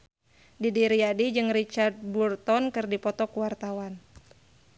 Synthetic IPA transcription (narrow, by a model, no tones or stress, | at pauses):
didiɾiadid͡ʒɨŋrit͡ʃard̪̚burt̪ɔnkɨrdipɔt̪ɔkuwart̪awan